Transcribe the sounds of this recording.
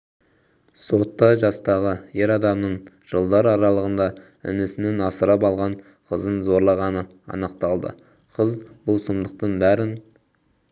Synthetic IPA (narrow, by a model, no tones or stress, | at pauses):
so̞t̪ːɑʒɑst̪ɑʁəjeɾɑd̪ɑmnəɴ | ʒ̥əlˠd̪ɑɾɑɾɑlˠəʁənd̪ɑ | ʏ̰nɪsɪnenɑsəɾɑpɑlˠʁɑɴ | qʰəzənzo̞ɾlˠɑʁɑnə | ɑ̰nəqt̪ɑlˠd̪ə̰ | qʰəzb̥ʊlˠsəmd̪əq̚t̪əɴbæɾɪn